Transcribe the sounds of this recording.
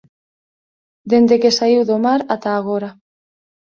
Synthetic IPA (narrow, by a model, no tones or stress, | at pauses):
d̪end̪ekesaiwðomaɾat̪aːɣoɾa